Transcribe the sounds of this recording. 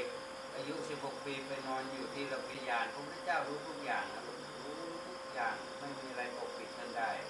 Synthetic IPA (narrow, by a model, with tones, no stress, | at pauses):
ʔaː˧ju˦˥ʔsi˨˩p̚ho˨˩k̚piː˧pa˧nɔː˧njuː˨˩t̪ʰiː˥˩ɾa˧˩wpiː˧jaː˧npʰo˧˦pʰu˦˥tʰe˧˩t͡ɕaː˥˩wɾuː˦˥t̪ʰu˦˥˩k̚jaː˨˩ŋa˧˩˧ɾuː˦˥ | t̪ʰu˦˥˩k̚jaː˨˩ŋ | ma˧˥˨nmiː˧a˧ɾa˧jʔoː˧˩k̚pʰi˨˩t̪̚ka˧ndaː˥˩j